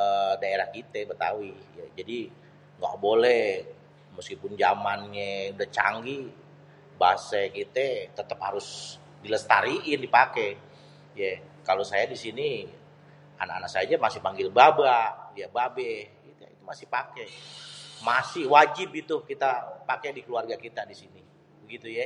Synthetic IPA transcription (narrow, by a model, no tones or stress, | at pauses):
ədaeɾahkit̪ɛbət̪a̰wɪjad͡ʒadi | ŋɡa̰ʔbolɛhh | məskipʊnd͡ʒamanɲɛudaht͡ʃa̰ŋɡi | ba̰sɛkit̪ɛt̪ət̪əphaɾʊs | diləst̪aɾiʔɪndipakɛ | jɛ | kalosajadisini | a̰naʔanasad͡ʒamasɪhpaŋɡɪlbabaʔjababɛh | it̪it̪umasɪhpakɛ | masɪhwad͡ʒɪpit̪ukit̪apakɛdikəluarɡakit̪adisini | bəɡit̪uja